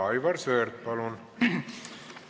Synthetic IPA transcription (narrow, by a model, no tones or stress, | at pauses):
ɑjvɑrsøːrt̪̚pɑlun